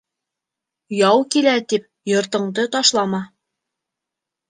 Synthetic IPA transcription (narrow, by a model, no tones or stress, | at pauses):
jɑwkilæt̪ip̚ | jŏɾt̪ɤ̆ɴd̪ɤt̪ɑʃlˠɑmɑ